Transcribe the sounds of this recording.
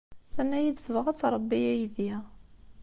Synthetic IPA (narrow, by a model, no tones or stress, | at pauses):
θænːæjid̪səvʁət͡sːɾˤəbːijæjðjæ